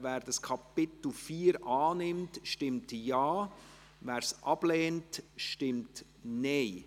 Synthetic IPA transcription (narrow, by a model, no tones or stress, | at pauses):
væːɾdɑskʰɑpɪt̪l̩fiːɾʔɑːnɪmtʃtɪmtjɑː | væːɾsʔɑb̥lɛːntʃtɪmt | neɪ